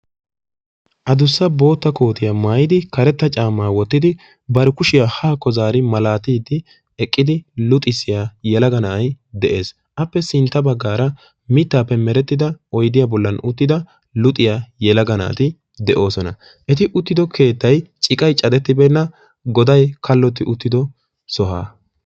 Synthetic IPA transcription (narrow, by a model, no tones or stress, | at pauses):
ʔɐd̪ʊsːɐbo̞ːt̪ːɐko̞ːt̪ɪjamaːjɪd̪ɪkɐɾɛt̪ːɐt͡ʃʼaːmːaːwɔt̪ːɪd̪ɪ | bɐɾkʊʃɪjahaːkːɔzaːɾɪmɐlaːt̪iːd̪ːɪ | ɛkʼːɪd̪ɪlʊt̪ʼɪsːɪjaːjɛlɐɡɐnɐɐj | d̪ɛʔe̞ːs | ʔɐpːɛsɪnt̪ːɐbɐɡːaːɾɐ | mɪt̪ːaːpːɛmɛɾɛt̪ːɪd̪ɐʔɔjd̪ɪjabɔlːɐnʊt̪ːɪd̪ɐ | lʊt̪ʼɪjajɛlɐɡɐna̰ːt̪ɪ | d̪ɛʔo̞ːsɔnɐ | ʔɛt̪ɪʔʊt̪ːɪd̪ɔkʰe̞ːt̪ːɐjt͡ʃʼɪkʼɐjt͡ʃʼɐd̪ɛt̪ːɪbɛnːɐ | ɡɔd̪ɐjkɐlːɔt̪ːɪʔʊt̪ːɪd̪ɔ | sɔɦa̰ː